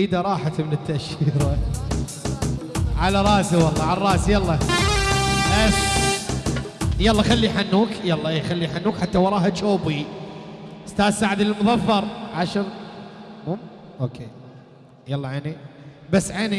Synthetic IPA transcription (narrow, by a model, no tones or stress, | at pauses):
iːd̪aɾˤɑːħat̪mɪnɪt̪ːaʔʃiːɾa | ʕalaɾˤɑːziwɑlˤːɑʕalrˤɑːsjɑlˤːɑ | bas | jɑlːɑxalːiħanːuːkjɑlˤːɑexalːijħanːuːkħat̪ːawɑɾˤɑːɦat͡ʃoːbi | ɪst̪aːðsaʕɪd̪lɪlmʊðˤɑfːɑɾˤʕaʃɪv | muːmʔoːkʰeː | jɑlˤːɑʕeːni | basːʕeːni